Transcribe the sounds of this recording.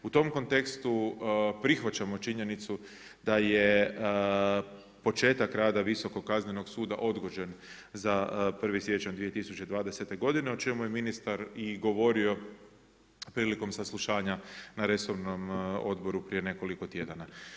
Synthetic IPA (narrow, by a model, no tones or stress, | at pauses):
ut̪o̞mko̞nt̪e̞kst̪upɾixʋat͡ʃamo̞t͡ʃiɲe̞nit̪su | d̪̥aje | po̞t͡ʃe̞ːt̪akɾaːd̪aʋiso̞ko̞kazne̞noɡsuːd̪a̰ʔo̞d̪ɡo̞d͡ʒe̞n | zapr̩ʋisjet͡ʃand̪ʋie̞t̪isut͡ʃe̞d̪ʋaːd̪e̞se̞t̪e̞ɡo̞d̪ine̞o̞t͡ʃe̞muje̞minist̪aɾiɡo̞ʋo̞ɾio̞ | pɾiːliko̞msaslˠuʃaːɲanaɾe̞so̞ɾnomo̞̰d̪bo̞ɾupɾije̞ne̞ko̞liko̞t̪je̞d̪ana